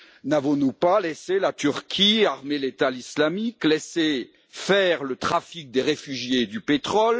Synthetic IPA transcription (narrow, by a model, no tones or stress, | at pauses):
navɔ̃nupaleselat̪yʁkʲʰiaʁmelet̪alislamiklese | fɛʁlət̪χafik̚d̪eʁefyʒjed̪ypet̪χɔl